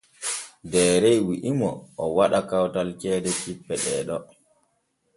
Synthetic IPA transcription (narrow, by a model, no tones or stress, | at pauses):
dɛːɾɛjwiʔimɔʔɔwaɗakawtalkɛːdɛt͡ʃipːɛɗɛ̰ɗɔ